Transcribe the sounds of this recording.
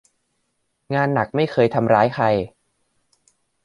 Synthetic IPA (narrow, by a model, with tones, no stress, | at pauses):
ŋaː˧nːa˨˩k̚ma˥˩jxʰɤː˧jt̪ʰa˧mɾaː˦˥jxʰa˧j